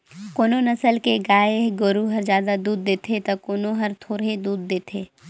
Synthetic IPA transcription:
koːnonɐsəlkeɡaːeɡoɾuɦɐɾd͡ʒjaːd̪ad̪uːd̪̚ːeːt̪ʰet̪ɐkoːnoɦɐɾt̪ʰoːɾed̪uːd̪ːeːt̪ʰeː

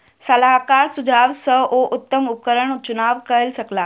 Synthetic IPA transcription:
səlaɦkaɾsud͡zʱaʋsəoʔut̪ːəmup̚kəɾəɳt͡ɕunaʋkəlsəkla

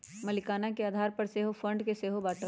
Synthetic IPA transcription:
mɐlɪkaːnakeaːd̪ʱaːɾpɐɾseːɦofʰə̃ɳɖkeseːɦobaːʈə

